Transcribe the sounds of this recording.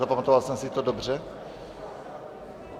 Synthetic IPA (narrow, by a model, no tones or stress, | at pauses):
apamat̪ovalsɛmsit̪odobr̝ɛ